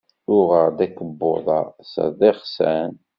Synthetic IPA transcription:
ʊʁəɾd̪ækːəbːoðˤɑsə̰ðˤeχsæn

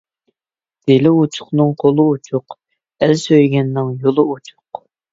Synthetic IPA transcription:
d̪̥elɪut͡ʃʰʊ̥χnɨŋqʰolˠut͡ʃʰʊq | ɛlsøjɡʲɛnːɪŋjolˠɨot͡ʃʰʊ̥q

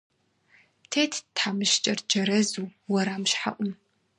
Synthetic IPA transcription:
tʰeːtʰtħaːmɨʃt͡ʃʼɐrd͡ʒɐɾɐzuːwɐɾaːmʃħa̰ʔʷʊm

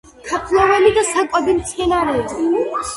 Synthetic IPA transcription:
kʰapʰlˠavɛlid̪asakʼwad̪imt̪sʰmɛnaɾɛi

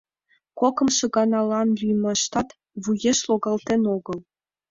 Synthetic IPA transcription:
kokɤ̆mʂɤ̆ɡɑnɑlˠɑnlʲyjmɤ̆ʂt̪ɑt̪ | vujeʃlˠoɡɑlˠt̪enoɡɤ̆lˠ

